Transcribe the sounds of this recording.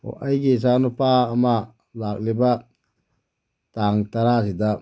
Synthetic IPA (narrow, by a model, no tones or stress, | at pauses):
o̰ʔajɡis̬anupaːma | lak̚liba | taŋtaɾas̬ida